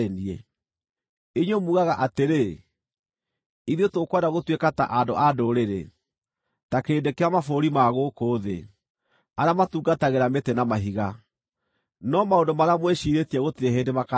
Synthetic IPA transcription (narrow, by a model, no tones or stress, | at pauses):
eniɛ | eɲomuɣaɣaʔateɾe | iðiotokwadaɣotwekata̰ʔadoʔadoɾeɾḛ | takeːndekeamafoɾimaɣokoːðḛ | aɾeamatuːɡataɣeɾametɛnamaɦiɣa | nɔmaondomaɾeamweɕiɾetiɛɣotiɾeɦeːndemaka